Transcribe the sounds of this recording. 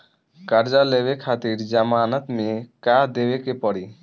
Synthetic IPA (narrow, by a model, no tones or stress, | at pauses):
kaɾd͡ʒalebekʰat̪iɾd͡ʒamaːnat̪mekad̪ebekepɔɽi